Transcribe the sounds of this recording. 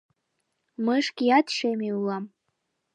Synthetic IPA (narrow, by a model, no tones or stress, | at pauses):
mɨʂkʲijat̪ʃemiulam